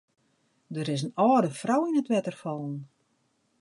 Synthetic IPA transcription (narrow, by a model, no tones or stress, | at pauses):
dəɾɪs̬ənɔːdəfrawinətʋɛtərfɔlˠən